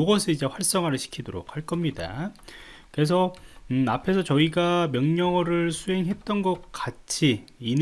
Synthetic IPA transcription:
oɡʌsʰɯid͡ʑe̞ɸwaɭs͈ʌŋɦaɾɯɭɕʰi̥kʰidoɾo̰k̚haɭk͈ʌmɲida̰ | kɯɾe̞sʰʌapʰe̞sʰʌt͡ɕʌiɡamjʌŋɲʌɾɯɭsʰuɦe̞ŋɦe̞t̚t͈ʌnɡʌk̚k͈at͡ɕʰiːn

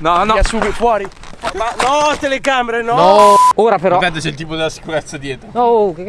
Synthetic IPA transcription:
nɔnɔasːuːbifwɔːɾi | manɔt̪eleɡameɾenɔɔoːɾapeɾɔt̪at̪ːet͡ʃɛilt̪̬iːpod̪elasi̥kuɾɛt̪sːad̪jɛːt̪ɾookek

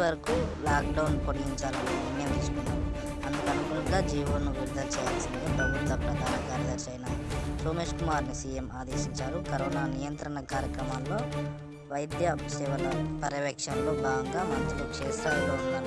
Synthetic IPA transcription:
ʋɐɾɐkulaːk̚ɖɐwnpoɭːiɲt͡ʃaːlɐnininjɐmd̪iːsu̥kunːaːm | ɐnd̪ukɐnukuɳʈuɡaːd͡ʒiːʋoːnːuʋiɾud̪ɐlt͡ʃɛːja̰ːlɐsind̪epɾɐbʱit̪ʋɐpɾɐkaːɾakaːɾjɐd̪ɐɾt͡ʃɐjnɐsoːmeːʂkumaːɾnisiːjemaːd̪e̞ːsiɲt͡ʃaːɾukɐɾoːnaːnijɐnt̪ɾɐɳɐkaːɾjɐkɾɐmanlo̞ː | ʋɐjd̪jɐʃɛʋɐlɐpɐɾɐʋɛkʂɐmlo̞ːbaːɡɐŋɡaːmɐnt̪uluʂeːst̪aːjɐloːunːaːɾu

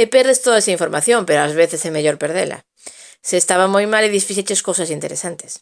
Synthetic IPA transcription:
epɛɾðest̪oðaesaiɱfoɾmaθjompeɾoazβeθesɛmeʎoɾpeɾðela̰ | seːst̪aβamojmaleðisfiʃet͡ʃeskowsasint̪eɾesant̪e̥s

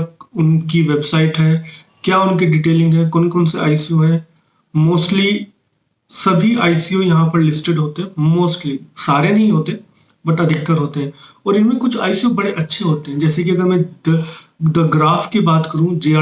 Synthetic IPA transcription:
ʊnkiʋeːbsaːɪʈɦɛː | kjaːʊnkiɖiːʈeːlɪ̃ŋɡɦɛ̃ːkɔːnkɔːnseʔa̰ːɪsijoɦɛ̃ː | moːsʈli | sɐbʱiʔaːɪsijõjɐɦãpɐɾlɪsʈeɖɦoːt̪eɦɛ̃moːsʈlisaːɾenɐɦĩɦoːt̪eɦɛ̃ | bɐʈɐd̪ʱɪkt̪əɾɦoːt̪eɦɛ̃ːɔːɾɪnmẽkʊt͡ʃʰa̰ːɪsijobɐɽeʔɐtːʃʰeɦoːt̪eɦɛ̃d͡ʒɛːsek̬iɐɡəɾmɛ̃d̪ | d̪ɐɡɾaːfkibaːt̪kɐɾũd͡ʒeː

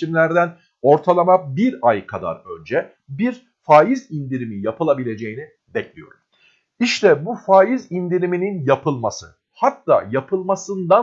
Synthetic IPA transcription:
imlʲæɾd̪æn | o̞ɾt̪ʰalˠamabiɾajkʰad̪a̰ɾø̞nd͡ʒɛ | biɾ | faːjizind̪iɾimijapʰɯlˠabilʲe̞d͡ʒe̞jini | bɛclʲijo̞̰ɾum | iʃt̪ʰɛbufaːjizind̪iɾimininjapʰɯlˠmasɯ̰ | hat̪ːa̰ːjapʰɯlˠmasɯnd̪a

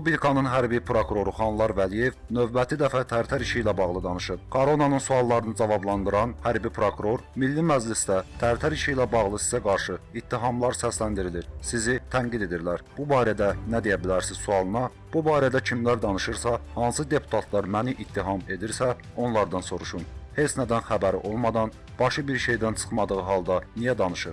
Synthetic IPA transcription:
ubilkʰɑnɯnɦæɾbipʰɾo̞kuɾo̞ɾuχɑnlˠɑɾvælije̞vnø̞vbæt̪ʰid̪æfæt̪ʰæɾt̪ʰæɾiʃijlæbɑɣlˠɯd̪ɑnɯʃɯɾkʰoɾonɑnɯnsuɑlˠːɑɾɯnɯd͡ʒɑvɑblˠɑnd̪ɯɾɑnhæɾbipʰɾo̞kuɾo̞ɾmilːimæd͡ʒlisd̪æt̪ʰæɾt̪ʰæɾiʃijlæbɑɣlˠɯsizæɡɑɾʃɯit̪ʰːiɦɑmlˠɑɾsæslænd̪iɾiliɾsizit̪ʰæŋɡid̪e̞d̪iɾlæɾb̥ubɑːɾæd̪ænæd̪ejæbilæɾsiz̥suɑlˠɯnɑ | b̥ubɑːɾæd̪æcʰimlæɾd̪ɑnɯʃɯɾsɑhɑnsɯd̪e̞pʰu̥t̪ʰɑt̪ʰlˠɑɾmæniʔit̪ʰːiɦɑme̞d̪iɾsæ | o̞nlˠɑɾd̪ɑnso̞ɾuʃunhe̞t͡s̪næd̪ænxæbæɾiʔo̞lˠmɑd̪ɑn | b̥ɑʃɯbiɾʃe̞jd̪ænt͡ʃʰɯ̥χmɑd̪ɯɣɯɦɑlˠd̪ɑnijæd̪ɑnɯʃɯɾ

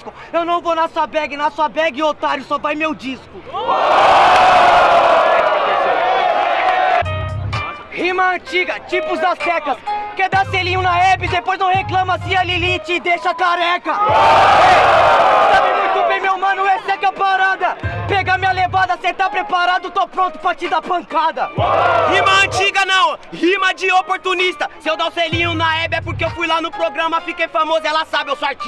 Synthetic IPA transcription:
skʊ | ewnɐ̃w̃vonasuɐbɛɡɪnasuɐbɛɡɪot̪aɾjʊsɔvajmewd͡ʒiskʊ | himɐɐ̃t͡ʃiɡɐt͡ʃipʊzd̪ɐsɛkɐsked̪aselĩɲʊnɐɛpɪd̪epojznɐ̃w̃heklɐ̃mɐsĩalilit͡ʃɪːd̪eʃɐkaɾɛkɐ | sabɪ̃mũt̪ũbẽmewmɐ̃nʊ̃esɛkɐpaɾad̪ɐpɛɡamĩɲɐlevad̪ɐsẽt̪apɾepaɾad̪ʊt̪opɾõnt̪ʊ̥pɾɐt͡ʃid̪apɐ̃ŋkad̪ɐhĩmɐɐ̃t͡ʃiɡɐnɐ̃w̃himɐd͡ʒɪopoɾt̪unist̪ɐsɪewd̪awselĩɲʊnɐɛbɪɛpoɾkeewfujlanʊpɾoɡɾɐ̃mɐfikejfamozɐɛlɐsabɪewsaɾt͡ʃi

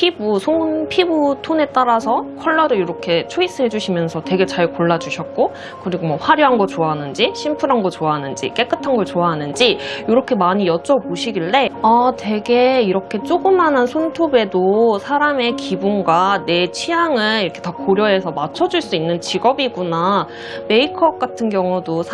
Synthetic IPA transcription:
pʰibusʰonpʰibutʰone̞t͈aɾasʰʌkʰʌɭːʌɾɯɭjiɾʌkʰe̞t͡ɕʰois͈ɯɦe̞d͡ʑuɕʰimjʌnsʰʌtwe̞ɡe̞t͡ɕaɭkoɭːad͡ʑuɕʰʌt̚k͈o | kɯɾiɡomwʌɸwaɾjoɦanɡʌt͡ɕoaɦanɯnd͡ʑiɕʰimpʰuɾɦanɡʌt͡ɕoaɦanɯnd͡ʑḭk͈e̞k͈ɯtʰanɡʌɭt͡ɕoaɦanɯnd͡ʑijoɾʌkʰe̞maɲijʌt͡ɕ͈ʌboɕʰiɡiɭte̞ʌtwe̞ɡe̞iɾʌkʰe̞t͡ɕ͈oɡɯmːanansʰontʰobe̞dosʰaɾame̞kibunɡwane̞t͡ɕʰijaŋɯɭiɾʌkʰe̞takoɾjʌɦe̞sʰʌmat͡ɕʰʌd͡ʑuɭs͈uinːɯnt͡ɕiɡʌbiɡuna | me̞ikʰʌk͈atʰɯnɡjʌŋudosʰ

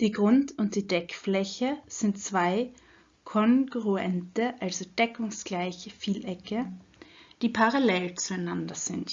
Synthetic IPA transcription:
d̥iːɡʁʊntʊnt̚d̥iːdɛkflɛçəz̥ɪntt͡sv̥aɪ | kʰɔŋɡʁuɛ̰ntəʔalzod̥ɛkʊŋsɡ̥laɪçəfiːlʔɛkə | d̥iːpʰaʁalɛlt͡suaɪnandɐz̥ɪnt

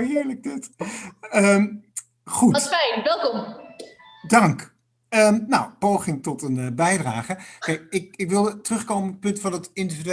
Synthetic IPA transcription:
ɪːɹləɡ̚dɪt | əm | χutsfɛjnʋɛlˠkɔm | dɑŋk | əmnawpowχɪŋtɔtənəbɛjdraːχəkeɪk̚ɪkʋɪlˠətərɵχkowmənɔpɵntfɑnətɪndividy

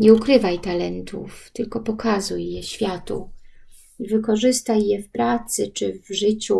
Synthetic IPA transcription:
ɲɛukɾɘvajt̪alɛnt̪ṵft̪ɘlkɔpɔkazujːɛɕfʲjat̪ṵ | vɘkɔʐɘst̪ajːɛfpɾat̪sɘt͡ʂɘvʐɘt͡ɕu

